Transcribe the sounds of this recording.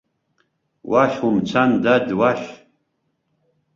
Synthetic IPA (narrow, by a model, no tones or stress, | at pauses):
waʃumt͡sʰand̪adwaχ